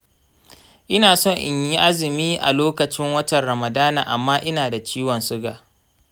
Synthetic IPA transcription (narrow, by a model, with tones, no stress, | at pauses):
ʔɪ˦naː˨sɔ˦˨ɲʔɪ˨ɲji˦ʔa˦zɪ˨miː˦ʔa̰˨loː˦kɐ˨t͡ʃɪ˦ŋwɐ˦tɐ˨nɾɐ˨mɐ˨daː˦na̰ː˨ʔa˨mːaː˦ʔɪ˦naː˨da˨t͡ʃiː˦wɔ˨nsʊ˦ɡa̰ː˨